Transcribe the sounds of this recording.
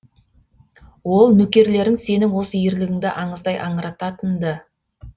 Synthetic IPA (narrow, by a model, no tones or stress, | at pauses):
wo̞lˠnɵkʲe̞ɾle̞ɾɪŋse̞nɪŋwo̞səjɪɾlɪɡʲɪŋd̪ɪʔɑɴəzd̪ɑjʔɑɴəɾɑt̪ɑt̪ənd̪ə